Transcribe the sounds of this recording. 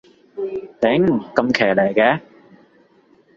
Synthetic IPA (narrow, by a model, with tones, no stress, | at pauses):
t̪ɪ˨˥ŋkɐ˧mkʰɛː˨˩lɛ˨˩jkɛː˧˥